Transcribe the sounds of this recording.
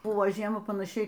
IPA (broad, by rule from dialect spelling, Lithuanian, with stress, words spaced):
ˈbʊʋoː ˈʒʲiɛmɐ pɐnɐˈʃʲɛɪ